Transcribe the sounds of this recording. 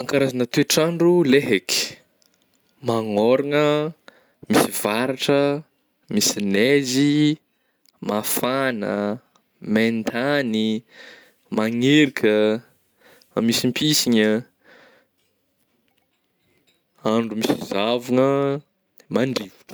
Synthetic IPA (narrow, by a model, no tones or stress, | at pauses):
aŋkaɾazanət̪eʈ͡ʂaɳɖ͡ʐuleɦeki̥ | maŋoɾaŋə | misiv̥aɾaʈ͡ʂə | misinezi | mafanə̰ | mend̪ani | maŋeɾikʲʰə | amisimpʰisiɲə | aɳɖ͡ʐumisizavuŋə | maɳɖ͡ʐi̥